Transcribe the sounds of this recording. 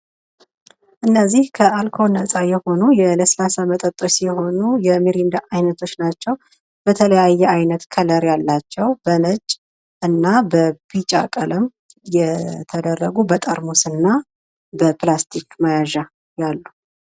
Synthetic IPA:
ʔɨnːəzːihkʰəalkʰo̞nəsʼajɛho̞nujɛləslasamət̪ʼət̪ʼːosijɛho̞nujɛmiɾind̪aʔajnət̪ʰo̞t͡ʃːnat͡ʃːɛw | bət̪ʰələjajːɛajnət̪kʰələɾjalːat͡ʃːɛwbənət͡ʃʼ | ʔɨnːabəbit͡ʃʼa̰kʼəlɨm | jɛt̪ʰəd̪ərːəɡubət̪ʼəɾmosɨnːa | bəplast̪ʰikmajaʒa | jalːu

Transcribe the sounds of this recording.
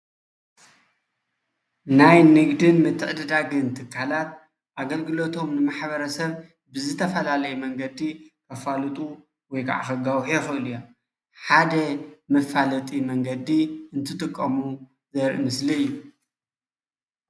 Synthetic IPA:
najnɨɡd̪ɨnmɨt̪ʰːɨʕɨd̪ɨd̪aɡɨnt̪ʰɨkʰːalat̪̚ | ʔaɡɐlɡɨlo̞t̪ʰo̞mnɨmaħbɐɾɐsɐβ | bɨzɨt̪ʰɐfɐlalɐjumɐŋɡɐd̪ikʰɐfalɨt̪ʼu | wɔjkʰa̰ʕa̰xɐɡawħjexɨʔɨlujom | ħad̪ɐmɐfalɐt̪ʼimɐŋɡɐd̪iɨnt̪ʰɨt̪ʼɨkʼːɐmu | zɐɾʔɨ̰mɨsliɨjːu

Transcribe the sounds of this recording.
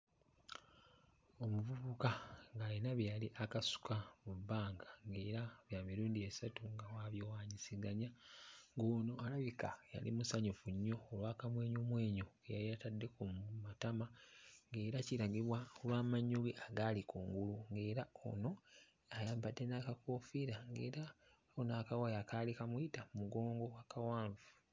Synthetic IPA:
o̞muvuβukaŋɡainaβjaliʔakasu̥kamubːaːŋɡaŋɡe̞ːɾaβjaːmiɾuːndiesatuŋɡawaβjowaːɲisiɡaɲaŋɡoːno̞alaβikaja̰lḭmusaɲufuɲːo̞ːlwaːkamwe̞ːɲomwe̞ːɲoejaɾijatadːe̞kummatamaŋɡe̞ːɾaciɾaɡiβwakulwaːmaɲːuɣiʔaɡalikoːŋɡuluŋɡe̞ːɾao̰no̞ | ajaːmpadːenakako̞fiɾaŋɡe̞ːɾa | onaːkawajakalikamuitamumuɡo̞ːŋɡo̞wakawaːɱvu

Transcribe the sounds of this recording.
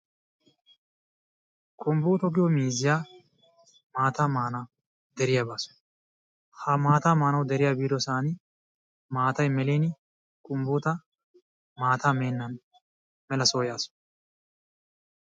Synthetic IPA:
kʰʼʊmbuːt̪ɔɡɪjɔmiːzɪjaː | maːt̪amaːna | d̪ɛɾɪjabaːsʊ̥n | hɐmaːt̪aːmaːnɐwd̪ɛɾɪjaːbiːd̪ɔsaːnɪ | maːt̪ɐjmɛleːn | kʼʊmbuːt̪ɐ | maːt̪aːmeːnːɐn | mɛlɐsoːjaːsɔ̥

